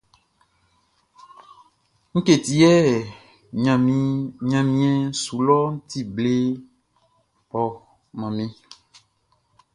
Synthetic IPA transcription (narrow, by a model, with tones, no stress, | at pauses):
ŋ̩˦ke˨t̪i˦ɛ˦˨ | ɲã˨mɲã˨mĩ˦ɛ̃˦su˨lɔ˦ŋ̩˦t̪i˦ble˦ | pɔ˨ | mã˨mẽ˦